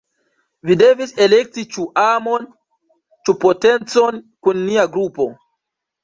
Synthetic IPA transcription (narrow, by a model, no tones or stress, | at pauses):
vide̞vise̞lek̚tit͡ʃuʔamo̞n | t͡ʃupote̞nt͡so̞nkunːiaɡɾupo̞